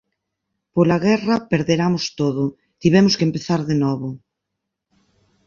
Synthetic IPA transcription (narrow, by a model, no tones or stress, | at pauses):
polaɣɛrɐpeɾðeɾamost̪oðʊ | t̪iβɛmʊskempeθaɾðenɔβʊ